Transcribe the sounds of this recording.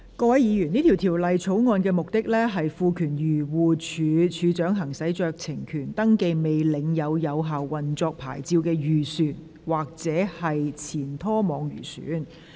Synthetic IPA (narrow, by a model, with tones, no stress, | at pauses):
kɔː˧wɐ˨˥jiː˨˧jyː˨˩niː˥t̪ʰi˨˩wt̪ʰiː˨˩wlɐ˨jt͡ʃʰo˨˥wŋɔː˧nkɛː˧mʊ˨k̚t̪ɪ˥k̚lɛː˥ɦɐ˨jfuː˧kʰyː˨˩njyː˨˩wuː˨˧t͡ʃʰyː˨˧t͡ʃʰyː˨˧t͡ʃœː˨˥ŋɦɐ˨˩ŋsɐ˨˥jt͡ʃœː˧k̚t͡sʰɪ˨˩ŋkʰyː˨˩nt̪ɐ˥ŋke˧jme˨jlɪ˨˧ŋjɐ˨˧wjɐ˨˧wɦaː˨wːɐ˨nt͡sɔː˧k̚pʰa̰ː˨˩jt͡siː˧wkɛː˧jyː˨˩syː˨˩n | waː˨k̚t͡sɛː˨˥hɐ˨jt͡sʰiː˨˩nt̪ʰɔː˥mɔː˨˧ŋjy̰ː˨˩sy̰ː˨˥n